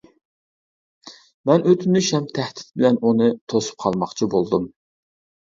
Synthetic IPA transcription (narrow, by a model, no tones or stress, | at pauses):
mɛnøt̪ʰynɪʃɛmt̪ʰæht̪ʰɪ̥t̪̚bɪlɛnʔunɨt̪ʰosu̥p̚qʰɑlˠmɑχt͡ʃʰibolˠd̪um